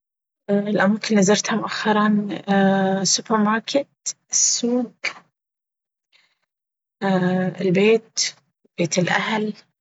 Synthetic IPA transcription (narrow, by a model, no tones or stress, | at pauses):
ʔɪlʔamaːkɪnlizɑɾˤt̪hamʊʔaxːɑɾˤɑnː | sʊpɑɾmɑːɾˤkɪt̪ | ɪsːuːɡ | ɪlbeːt̪ | b̥eːt̪ɪlʔahl